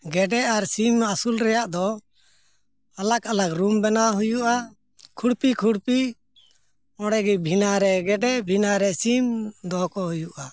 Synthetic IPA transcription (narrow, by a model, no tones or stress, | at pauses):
ɡɛɖɛaɾsimasulɾɛjaʔd̪ɔ | alakalakɾumbɛnaɦujuʔa | kʰuɽpikʰuɽpi | ɔɽɛɡɛbʱinaɾɛɡɛɖɛbʱinaɾɛsimd̪ɔkɔɦujuʔa